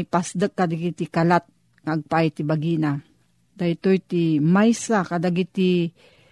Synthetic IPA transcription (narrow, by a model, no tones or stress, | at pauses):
ipasd̪əkːad̪aɡit̪ikalat̪̚ | ŋaʔaɡ̚paʔajt̪ibaɡina | d̪ait̪ojt̪imajsakad̪aɡit̪i